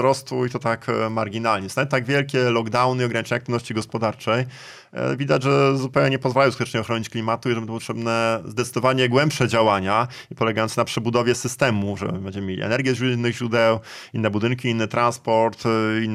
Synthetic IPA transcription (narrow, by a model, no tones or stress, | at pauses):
ɾɔst̪uit̪ɔt̪akmaɾɡʲinalɲɛsajɛt̪aɡvʲjɛlkʲɛlɔɡd̪awnɘiɔɡɾaɲʲit͡ʂɛɲakt̪vnɔɕt͡ɕiɡɔspɔd̪aɾt͡ʂɛj | vʲid̪ad͡ʑʐɛzupɛwɲɛɲɛpɔzvalajɔ̃w̃skut̪ɛ̥t͡ʂʂɲɛɔxɾɔɲit͡ɕklʲimat̪uiʐɛbɛnɔp̬ːɔt̪ʂɛbnɛzd̪ɛt̪sɘd̪ɔvaɲɛɡwɛmpʂɛd͡ʑawaɲa | ipɔlɛɡajɔnt̪napʂɛbud̪ɔvʲjɛsɘst̪ɛmuʐɛ̰bɛɲd͡ʑɛmmʲelʲiɛ̰nɛɾɡʲjɛzuinːɘɣʑɾud̪ɛw | inːɛbud̪ɘnkʲiinːɘt̪ɾanspɔɾt̪inː